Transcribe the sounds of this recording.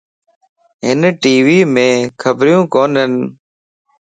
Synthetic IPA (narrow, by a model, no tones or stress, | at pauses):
ɦɪnʈiːʋiːmẽːkʰəbɾjũːkoːnɦən